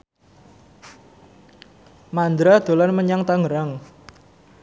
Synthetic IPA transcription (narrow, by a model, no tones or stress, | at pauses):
mand̪ɾad̪̥o̤lanməɲaŋt̪aŋəɾaŋ